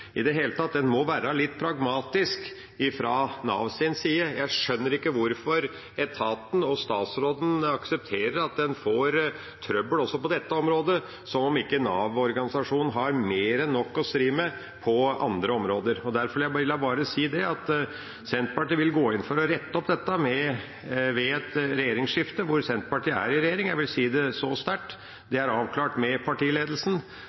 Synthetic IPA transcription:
ʔɪd̪ɛɦeːlət̪ʰɑt̪̚ːd̪ɛnmɔʋæːɾəlɪt̪ːpʰɾɑɡmɑːt̪ɪsk | ɪfɾɑːnɑ̰ːʋsɪnsiːəjæɪʂœnːəɾɪkːəʋʊɾfɔɾ | ɛt̪ʰɑːt̪n̩ɔst̪ɑːt̪sɾoːd̪n̩ɑksɛp̚t̪ʰeːɾəɾɑt̪̚d̪ɛnfoːɾ | t̪ʰɾœbəlɔsːɔpɔd̪ɛt̪ːəɔmɾoːd̪ə | sɔmɔmɪkːənɑːʋɔɾɡɑnɪsɑʂuːnn̩ɦɑɾmeːɾɛnːɔkːɔst̪ɾiːmə | pʰɔɑ̰nd̪ɾəɔmɾoːd̪əɾɔd̪æɾfɔɾjæʋɪlːɑbɑːɾəsiːd̪ɛɑt̪ | sɛnt̪pɑʈiːʋɪlɡoːɪnfɔɾɔɾɛt̪ːəɔpd̪ɛt̪ːəmɛ | ʋɛɛt̪ɾɛjeːɾɪŋsʂɪft̪əʋʊɾsɛnt̪pɑʈiːæ̰ɾɪɾɛjeːɾɪŋjæʋɪlsiːd̪ɛsɔst̪æʈː | d̪ɛæɾɑːʋkʰlɑːʈmɛpʰɑʈiːleːd̪lsn̩

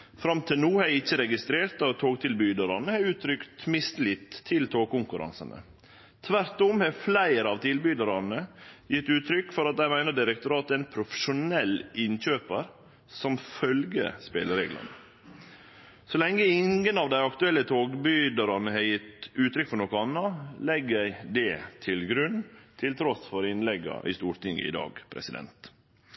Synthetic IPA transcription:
fɾɑmt̪ʰɪlnuːhɛɪçːəɾɛɡɪst̪ɾeːɾt̪ɑt̪ʰoːɡt̪ʰɪlbyːd̪əɾɑnəhɛɾʉːt̪ʰɾʏkt̪mɪst̪lɪt̪ʰːɪlt̪ʰoːɡ̚kʊŋkʉɾɑ̰nsə̰nə̰ | t̪ʰʋæɾt̪ɔmhɛflæɪɾɑʋt̪ʰɪlbyːd̪əɾɑnəjɪt̪ːʉːt̪ʰɾʏkːfɔɾɑt̪d̪æɪmæɪnəɖ̪ɪɾək̚t̪ʊɾɑːt̪æɪnpʰɾʊfə̥ʂʊnɛlːʔɪnɕøːpəɾ | sɔmfœlɡə̰spḛːləɾḛːɡlɑ̰nə̰ | sɔlɛŋːəɪŋɡənɑʋd̪æɪɑkt̪ʉɛlːət̪ʰoːɡbyd̪ɑɾɑnəhɛɾjɪt̪ʉːt̪ɾʏkːfɔɾɳɔkːɔɑnːɑlɛɡjæɪd̪ɛt̪ʰɪlɡɾʉnːt̪ʰɪlt̪ʰɾɔsfɔɾɪnlɛɡɑ̰ʔɪ̰st̪uːɾt̪ʰɪŋːə̰ɪ̰d̪ɑ̰ːɡpʰɾɛ̰sɪd̪ɛ̰nt̪

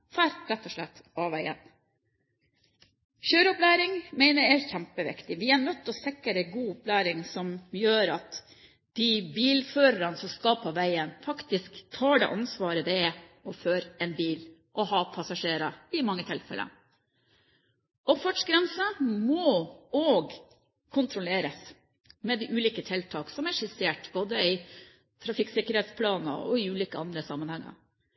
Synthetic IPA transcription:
fæɾɾɛt̪ːɔʂɭɛt̪ːɑʋæɪə̰n | çøːɾʊplæːɾɪŋmæɪnəɾæɾçæmpəʋɪ̰kt̪ɪʋɪænœt̪ːɔsɪkːəɾɛɡuːʊplæːɾɪŋsɔmjøːɾɑt̪ | d̪̥ibiːlføːɾəɾɑnsɔmskɑpʰɔʋæɪənfɑkt̪ɪskt̪ʰɑːɖɛ̰ʔɑnsʋɑːɾəd̪ɛɛɔføːɾɛnbiːl | ʔɔhɑpʰɑsɑʂeːɾɑɪmɑŋːət̪ʰɪlfɛ̰lʔə̰ | ʔɔpfæʈʂɡɾɛnsəmɔɔɡ | kʰʊnt̪ʰɾʊleːɾəs | mɛd̪ɪʔʉːliːkət̪ʰɪlt̪ʰɑːksɔmæʂɪseːʈboːd̪əɪ | t̪ʰɾɑfɪksɪkːəɾheːt̪spʰlɑːnə̰ɔ̰ɪʉːliːkəɑnd̪ɾəsɑmːənhɛŋːɑ̰

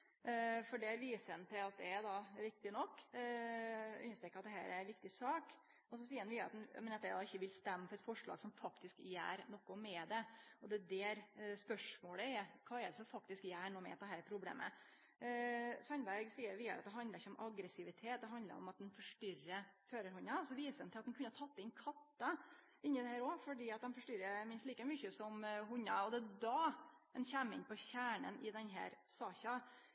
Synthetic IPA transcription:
fɔɖɛæɾʋiːsənt̪ʰɪlɑt̪̚d̪ɛæɾd̪ɑɾɪk̚t̪ɪnɔkː | ʉ̰nəst̪ɾɛːkːəɑt̪d̪ɛɦæ̰ːɾæɾʋɪkt̪ɪsɑːk | ɔsɔsiːəɾnʋɪːɑt̪n̰mɛnɛt̪ːæd̪ɑɪçːəʋɪlst̪ɛmːəfɔɾɛt̪fɔʂɭɑ̰ːɡsɔmfɑkt̪ɪskjæ̰ːɾnɔkːʊmɛd̪ɛɔd̪ɛd̪ɛæɾspœʂmoːɽəɛkʰɑːɛd̪əsɔfɑk̚t̪ɪskjæːɳoːmɛ̰ɑt̪d̪ɛɦæːɾpʰɾʊblḛːmʔə̰ | sɑnbæɾɡsiːəɾʋɪɑ̰ɾɑ̰t̪̚d̪ɛɦɑnd̪əɾɪçːəɔmʔɑɡɾɛsɪʋɪt̪ʰeːt̪̚d̪ɛɦɑnd̪lə̰ɾɔ̰mɑt̪̚d̪ɛnfɔʂʈʏɾəføːɾəɾhʊnːɑsɔʋiːsəɾd̪ɛnɪlɑt̪d̪ɛnkʉnːəhɑt̪ʰɑt̪ːɪnkʰɑt̪ːɑ | ɪnːɪd̪ɛhæːɾɔfɔɖiːɑt̪̚d̪ɛnfɔʂʈʏɾəmɪnst̪liːkəmʏçəsɔmɦʊɲːɑ̰ɔd̪ɛd̪ɑɛnɕæmːɪ̰npʰɔçæːɳə̰nʔɪd̪ɛnɦæ̰ːɾsɑːçɑ

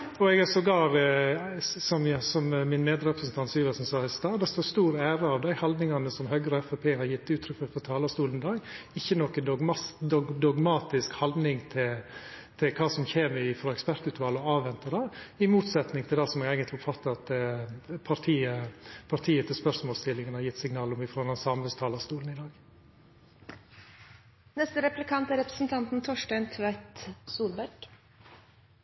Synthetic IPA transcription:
ɔɛɡæsɔɡɑːɾ | sɔmsɔmmɪnmeːd̪ɾɛpɾəsən̩t̪ɑnt̪syːʋɑsɔmsɑːɪst̪ɑːd̪ɛst̪oːɾst̪uːɾæːɾəɑʋd̪æɪhɑld̪nɪŋɑnəsɔmɦœɡəɾɔɛfɛpʰeːhɑɾjɪt̪ːʉːt̪ʰɾʏfəfɔt̪ʰɑːlɑst̪uːlnd̪ɑːɡɪçːənɔkːənd̪ɡd̪ɔd̪ɔɡmɑːt̪ɪskhɑld̪nɪŋt̪ʰɪlt̪ʰɪlkʰɑːsɔmçeːmɪfɾɑɛkspæɾt̪ʉːt̪ʋɑlɔɑːʋɛnt̪ədɑːɪmuːt̪sɛt̪nɪŋt̪ʰɪld̪ɛsɔmɛɡæːɡənt̪lɪʊpfɑt̪ːəɾɑt̪ | pʰɑɾt̪ʰiːəpʰɑɾʈ̪ʰiːət̪ʰɪlspœɾʂmoːlst̪ʰɪlːɪŋənəhɑɾjɪt̪ːsɪŋnɑːlɔmɪfɾɔɑnɑnsɑmʋəst̪ʰɑːlɑst̪uːln̩ɪd̪ɑːɡ | nɛst̪əɾɛplɪkʰɑnt̪æɾɛpɾə̥sn̩t̪ʰɑnt̪n̩t̪ʰɔʂʈæɪnt̪ʰʋæt̪suːɾbæɾɡ̥

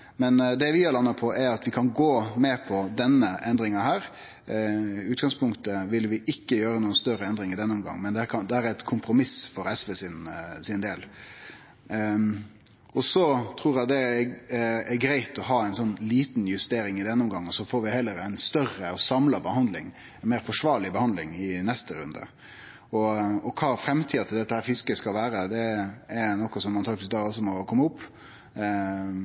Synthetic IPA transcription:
mɛnd̪ɛʋɪɛlɑnːɑpʰɔʔɛɾɑt̪ʋɪkʰɑnɡoːmɛpʰɔd̪ɛnːəʔɛnd̪ɾɪŋɑhæːɾ | ʉːt̪̚ɡɑŋspʊŋkt̪əʋɪlʋɪʔɪkːəjøːɾənuːənst̪œɾəɛnd̪ɾɪŋɪd̪ɛnːʊmɡɑ̰ŋːmɛnd̪ɛækʰɑd̪ɛhæːɾɛt̪kʰʊmpɾʊmɪsfɔɾɛsʋɛsɪnsɪnd̪eːl | ɔsɔt̪ʰɾuːɾjæd̪ɛ | ɛɡɾæɪt̪ɔɦɑːæɪnsɔnːliːt̪njʉst̪eːɾɪŋɪd̪ɛnːəʊmɡɑŋːɔsɔfoːɾʋɪhɛlːəɾæɪnst̪œrəɔsɑmlɑbəhɑnd̪lɪŋ | ɛnmeːɾfɔʂʋɑːɾɭɪbəhɑnd̪lɪŋɪnɛst̪əɾʉ̰nd̪ə̰ | ɔɔkʰɑːfɾɛmːt̪ʰiːɑt̪ʰɪld̪ɛt̪ːəhæːɾfɪskəskɑlʋæːɾəd̪ɛɛɾnɔkːɔsɔmːɑnfɑkt̪ɪsk̚d̪ɑːɔsɔmɔkʰɔmːəʊpː

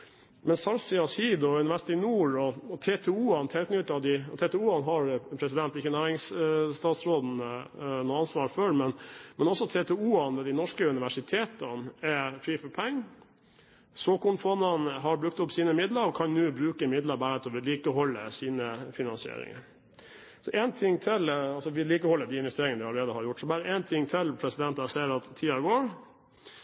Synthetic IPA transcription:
mɛnsɑlsɪɑsiːd̪ɔʉnɪʋæʂɪt̪ɪnuːɾɔɔt̪ʰet̪ʰɛuːɑnt̪ʰɛlknʉt̪ːɑd̪ɪt̪ʰɛt̪ɛuːɑnɦɑɾpʰɾɛsɪd̪ɛnt̪ɪkːənæːɾɪŋst̪ɑːt̪sɾoːd̪n̩nɔɑnsʋɑːɾfœmɛnmɛnɔsɔt̪ʰeːt̪ʰɛuːɑnʋɛːd̪ɪnɔʂkəʉnɪʋæʂɪt̪ʰeːt̪ənɛfɾiːfɔpʰɛŋː | soːkʊɳfɔnːɑnɦɑɾbɾʉk̚t̪ʊpsiːnəmɪd̪ləɾɔkʰɑnnʉːbɾʉːkəɪmɪd̪ləɾbæːɾt̪ɔʋɪliːkəɦɔlːəsiːnəfɪnɑnsɪḛːɾɪ̰ŋə̰ɾ | sɔʔɛnt̪ʰɪŋːt̪ʰɪlɑlsɔʋɪliːkəhɔlːəd̪iɪnʋɛst̪eːɾɪŋənd̪ɪɑləɾeːd̪əhɑɾjʊʈːsɔbɑɾəʔɛnt̪ʰɪŋːt̪ʰɪlpʰɾɛsɪd̪ɛnt̪ɑsɛɪəɾɑt̪ʰːiːɑɡoːɾ

